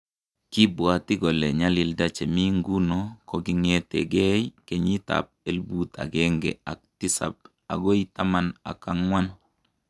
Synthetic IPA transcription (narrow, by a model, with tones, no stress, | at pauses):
ki˦bwa˨ti˦ɡo˨le˨ɲa˦li˨lda˦t͡ʃe˨mi˦ŋɡu˦no˦ko˦ɡi˦ŋe˦tḛ˨ɡɛ˦jke˨ɲi˦ta̰p̚e˦lbut̪ʰa̰˨ɡɛŋɡɛ̰˨a̰˨k̚ti˦sa̰˨b̚ | a̰˨ɡo˦jita˦ma˨na̰˨ka˦ŋwa˦n